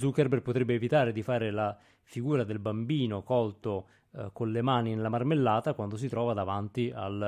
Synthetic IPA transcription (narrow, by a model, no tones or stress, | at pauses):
zukerbɛrpot̪ɾebːeːvit̪aːɾed̪ifaːɾela | fiɡuːɾad̪elbambiːnokɔlt̪o | konlemaːninelːamarmelːaːt̪akwand̪os̬it̪ɾɔːvad̪avant̪ial